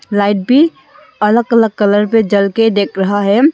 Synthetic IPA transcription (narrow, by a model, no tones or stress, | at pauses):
laːɪʈ̚bʱi | ələɡələɡ̚kələɾped͡ʒəlked̪eːkʰɾəɦaɦɛ